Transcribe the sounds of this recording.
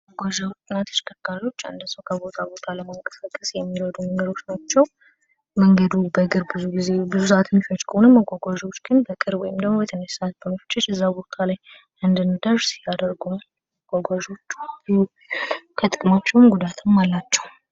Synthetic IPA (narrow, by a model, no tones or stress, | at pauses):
məɡʷaʒawt̪ʼɨnat̪ʰə̥t͡ʃkʰəkːalo̞t͡ʃːa̰nd̪əsəwkʰəbo̞t̪ʰabo̞t̪ʰaləmaŋkʼə̥səkʼːəsjɛmːiɾəd̪uməŋɡəd̪o̞t͡ʃːnat͡ʃːɛw | məŋɡəd̪ubəɡɨɾbɨzuɡizebɨzusaʔat̪ʰɨnfot͡ʃːkʰəhonəmːəɡʷaɡʷaʒo̞t͡ʃːɡɨnbəkʼɨɾbwɔjɪmd̪əɡmobət̪ʰənəʃsaʔat̪̚bəməfɨ̥t͡ʃʼːat͡ʃːɛzːabo̞t̪ʰalaj | ʔɨnd̪ɨnːɨd̪əɾsijad̪əɾɡunal | məɡ̥ʷaɡʷaʒo̞t͡ʃː | kʰət̪ʼɨkʼɨmat͡ʃːɛwmɡud̪at̪ʰɨmːalːat͡ʃːɛw